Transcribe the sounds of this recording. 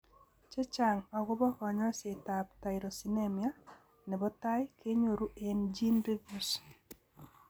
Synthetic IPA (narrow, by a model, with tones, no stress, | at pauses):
t͡ʃe˦t͡ʃa˨ŋɔ˨ɡʊ˦bɔ˦kɔ˨ɲɔ˦se˨ta˨pta˨ɪɾo˨si˨ne˦mja˦ | nɛ˨bɔ˦ta˦jkʰe˦ɲo˨ɾu˦ʔend͡ʒi˦nɾe˦ɡu˦s